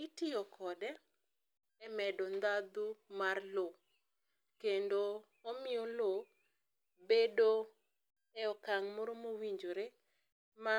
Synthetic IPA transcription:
itɪɔkʰɔdɛ | ɛmɛdɔnd̪ad̪umarlo | kendo | omɪjolo | bedo | ɛɔkaŋmoɾomowiɲd͡ʒoɾe | ma

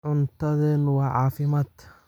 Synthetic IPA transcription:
ʕʊnt̪ɐðɪnwɑːʕɑːfɪmad̪

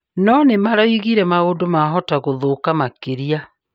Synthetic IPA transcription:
nɔnemaɾaiɣiɾɛmaodomaɦɔtaɣoðokamakeɾia

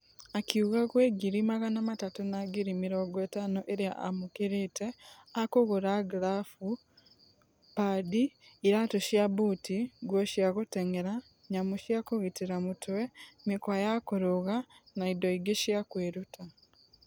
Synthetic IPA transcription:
akiuɣakweːɡiɾimaɣanamatatunaɡiɾimiɾoɡweːtanoʔeɾja̰ʔamukiɾiteakoɣuɾaɡlafu | padiː | ɾatuʃjaβutiɡwoʃjaɣuteŋeɾa | ɲamuʃjakuɣitiɾamutwemikwajakuɾuɣanaidoiɡeʃjakweɾutʰa

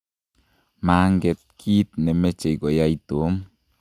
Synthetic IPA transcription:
maŋɡet̪̚kʰit̪̚nemet͡ʃejkojait̪om

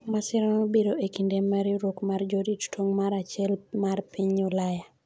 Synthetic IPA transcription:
masɪɾanobeɾoʔekindemaɾiɾokmard͡ʒodittwoŋmaɾat͡ʃɛlmarpiɲːɔlaja

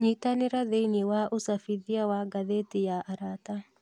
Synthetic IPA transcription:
ɲit̪anɪɾaðɛjniwaʔʊsafiðiawaɡaðet̪ɪjaʔaɾaːt̪a

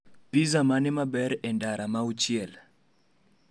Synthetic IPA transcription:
bizamanɪmabɛɾɛndaɾʔamaut͡ʃɪɛl

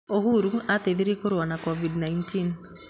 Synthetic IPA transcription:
oɦuɾuateðiɾekoɾwanakɔvidnaintin

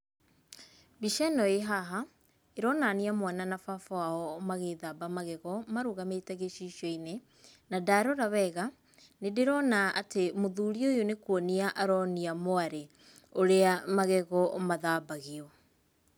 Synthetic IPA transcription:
biʃɛnɔeɦaɦa | eɾɔnaniamwananafafɔaɔmaɣeðaːbamaɣɛɣɔmaɾoɣametɛɣeʃiʃɔine | nadaːɾɔɾaβɛɣa | nedeɾɔnaʔatemoðuːɾiojonekwɔniaʔaɾɔniamoaɾe | oɾeamaɣɛɣɔomaðabaɣeɔ

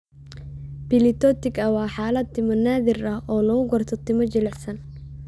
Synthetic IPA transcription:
bɪlɪt̪ʰɔːt̪ɪɡɐwɑːħaːlɐd̪̚t̪ɪmɔnaːðɪrɐɦʔɔːlɐɣʊɡɐrt̪ʰɔt̪ʰɪmɔt͡ʃɪlɛħsɐn

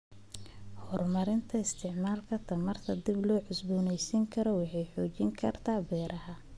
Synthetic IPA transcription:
hɔrmɐɾɪnt̪ʰɐɪst̪ʰɪʕmaːlkʰɐt̪ʰɐmɐrt̪ʰɐd̪ɪblɔːʕʊsbuːnɛjsiŋkʰɐɾɔwɑħɑjħɔːt͡ʃɪŋkʰɐrt̪ʰaːbɛːɾʔɐɦɐ

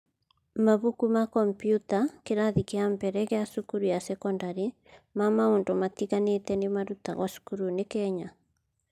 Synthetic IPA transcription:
maβukumakɔmpjutakeɾaðikeambɛɾɛɣeasukuɾujasɛkɔndaɾi | mamaondomatiɣanetɛnemaɾuta̰ɣwasu̥kuɾunekɛɲa

